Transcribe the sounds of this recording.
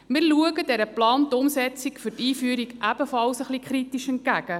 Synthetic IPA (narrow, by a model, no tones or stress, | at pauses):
mɪːɾluəɡədɛɾəplɑːntʊmsɛt͡sikfʏrtiːfyəɾikʔæb̥əfɑlsəχlikχɾitiʃɛnt̚ɡæɡ̥ə